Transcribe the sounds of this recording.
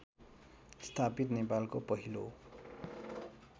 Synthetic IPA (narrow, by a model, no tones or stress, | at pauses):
st̪ʰapit̪nepalkopʌɦilo